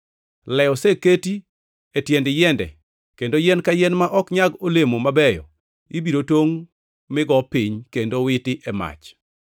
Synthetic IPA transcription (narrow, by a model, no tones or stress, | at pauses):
lɛɔseketi | etjɛndɪjɛndɛ̰ | kendojɛnkajɛnmaʔɔkɲaɡolemomabɛjɔ̰ | ibiɾotwoŋ | mɪɡɔpiɲkendowɪtɪʔɛma̰t͡ʃ